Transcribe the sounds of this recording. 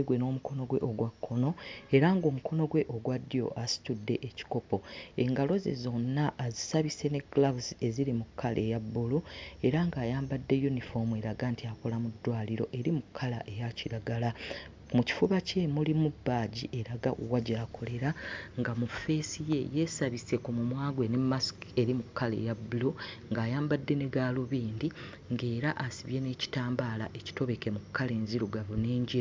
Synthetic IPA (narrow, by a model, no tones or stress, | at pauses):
ɡweno̞ːmukʰo̞no̞ɡwe̞̰ʔo̞ɡwakʰːo̞no̞e̞ɾaŋɡo̞ːmuko̞no̞ɡwe̞ʔo̞ɡwadːijo̞̰ʔasi̥tudːe̞ʔeci̥ko̞po̞e̞ŋɡalo̞zḛzo̞nːaʔːzisaβise̞ne̞ɡlavuze̞zilimukʰːalʔe̞jabːulueɾaŋɡaːjaːmbadːe̞junifo̞me̞ɾaɡaːntiako̞lamudːwaːliɾo̞̰ʔe̞ɾimukʰːala̰ʔe̞jaciɾaɡala | muci̥fuβace̞mulimubːaːɟiʔe̞ɾaɡaʔuwaɟaːkʰo̞le̞ɾaŋɡamufe̞ːsije̞je̞saβise̞kumumwaːɡwenemːaske̞ɾimukːalḛjabuloŋɡaːjaːmbadːe̞neɡaːloβiːndi | ŋɡe̞ːɾaʔasiβje̞ne̞ci̥taːmbaːla̰ʔeci̥to̞βe̞ke̞mukːale̞ːnziɾuɡaβuneːɲɟi